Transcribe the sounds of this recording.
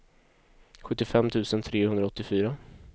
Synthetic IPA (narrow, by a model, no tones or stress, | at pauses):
ɧɵt̪ːɪfɛmːt̪ʰʉ̟ːsənt̪ʰɾeːhɵnd̪ɾaɔt̪ːɪfyːɾa